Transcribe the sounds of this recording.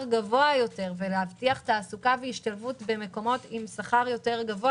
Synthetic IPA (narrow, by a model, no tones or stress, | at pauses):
ʁɡavo̞ajo̞te̞ʁveleavtiaχtaːsukaveiʃtalfutbe̞me̞ko̞mo̞timsaχaʁjo̞te̞ʁɡavo